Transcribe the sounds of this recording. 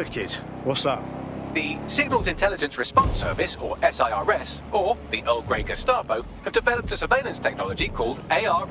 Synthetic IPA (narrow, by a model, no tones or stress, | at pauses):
ɪkɪd̥ | wɒtsðəʔðɨsɪɡ̚nəlˠzɪ̃ntʰɛlɪd͡ʒə̃nsɹɪspɒ̃nsɜ˞vɪsəɹʔɛsaɪɑːɹɛsəðiʔəʊlˠd̚ɡɹeɪɡəstɑˑɹfəʊ | həvdɪvɛlˠəp̚təsəveɪlə̃nstʰɛk̚nɒləd͡ʒikʰɔːlˠdeɪɑː